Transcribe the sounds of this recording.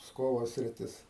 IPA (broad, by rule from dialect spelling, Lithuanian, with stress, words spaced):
ˈpskoːʋoː sʲrʲɪˈtʲɪs